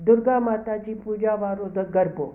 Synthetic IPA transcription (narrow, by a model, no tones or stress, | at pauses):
d̪ʊɾɡamat̪at͡ʃipud͡ʑaʋaɾod̪əɡəɾbo